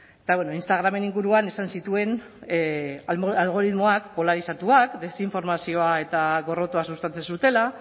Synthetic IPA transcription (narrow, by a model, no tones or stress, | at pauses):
et̪aβweno̞inst̪aɣ̞ɾame̞niŋɡuɾuane̞sansit̪ue̞n | alɣ̞o̞ɾit̪mo̞akpo̞laɾisat̪uakd̪e̞siɱfo̞ɾmasio̞ae̞t̪aɣo̞ro̞t̪oasust̪ant͡sensut̪e̞la